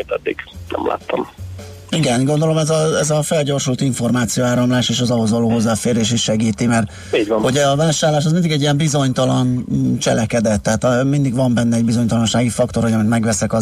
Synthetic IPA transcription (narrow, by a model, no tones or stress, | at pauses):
it̪ɛd̪ːḭɡ̥nʔɛ̰mla̰ːt̪ʰːɒ̰m | iɡɛnɡo̞nd̪o̞lo̞mɛzɒɛzɒfɛlɟo̞rʃult̪iɱfo̞rmaːt̪sijoaːɾɒmlaːʃeːʃɒzɒɦozvɒloːɦo̞zːaːfeːɾeːʃiʃʃɛɡiːt̪imɛrt̪ | iːɟvɒnhoɟɛɒvaːʃaːrlaːʃ̬ɒzmind̪iɡɛɟːijɛmbizo̞ɲt̪ɒlɒnt͡ʃɛ̰lɛkɛd̪ɛt̪ːɛɦaːt̪mind̪iɡʋɒmbɛnːɛɛɟbizo̞ɲt̪ɒlɒnʃaːɡifɒkt̪oɾhojɒmint̪mɛɡvɛsɛkɒ